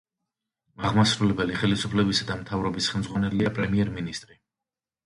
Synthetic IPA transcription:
aʁmasɾulɛbɛliχɛlisupʰlɛbisad̪amt̪ʰavɾɔbisχɛlmd̪zʁwanɛliapʼɾɛmiɛɾminist̪ʼɾi

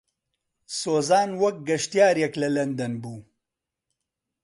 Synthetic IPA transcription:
soːzaːnwɐk̚ɡɐʃt̪ijaːɾjeklɐlɐnd̪ɐnbuː

